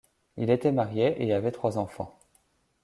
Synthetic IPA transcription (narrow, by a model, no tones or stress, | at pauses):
ilet̪ɛmaʁjeʔeavɛt̪χwazɑ̃fɑ̰̃